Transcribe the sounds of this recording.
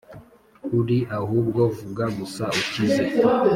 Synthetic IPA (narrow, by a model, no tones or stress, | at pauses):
udiʔaɦubɡɔvuɡamusaut͡ʃizɛ